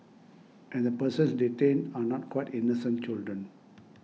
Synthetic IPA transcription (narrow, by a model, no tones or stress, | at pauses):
ʔɛ̃nd̪əpəsə̃nsditẽnanɔt̚kwaɪtinosə̃n̚t͡ʃɪldɹə̃n